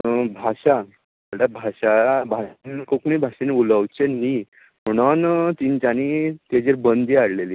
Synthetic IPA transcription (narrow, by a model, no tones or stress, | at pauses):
bʱaɕa | əɽabʱaɕabʱankokmibʱaɕeniuləwt͡ɕenːi | m̤əɽ̃ant̪int͡ɕanit̪ed͡ʑiɾbənd̪iaɽleliː